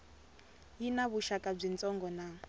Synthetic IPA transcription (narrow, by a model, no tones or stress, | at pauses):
jinaβuʃakʼab͡ʐint͡sʼɔŋɡɔna